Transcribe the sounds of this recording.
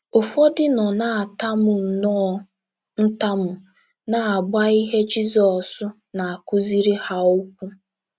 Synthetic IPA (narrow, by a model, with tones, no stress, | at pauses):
o˨fɔ˦dɪ˦nɔ˨na˦˨a˨ta˦mʊ˨n̩˨nɔ˦ | n̩˦ta˦mʊ˨ | na˨a˨ɡ͡ba˦i˦ɦe˦d͡ʒi˦zɔ˨sʊ˦ | na˨a˨kʊ˦zi˦ɾi˦ha˦ʊ˦kʷu˦